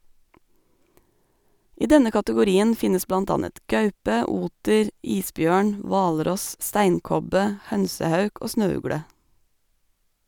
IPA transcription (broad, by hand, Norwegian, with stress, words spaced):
ˈiː ˈdɛnə kɑtəɡʊˈɾiːən ˈfɪnəs ˈblɑnt ˈɑnət ˈɡɑʉpə ˈuːtəɾ ˈiːsˌbjøːɳ ˈʋɑːlˌɾɔs ˈstæɪnˌkɔbə ˈhœnsəˌhɑʉk ˈoː ˈsnøːˌʉɡɽə